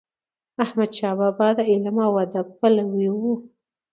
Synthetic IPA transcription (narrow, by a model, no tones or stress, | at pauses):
ahmad̪ʃɑbabɑd̪aɪlamawad̪akpalawiwu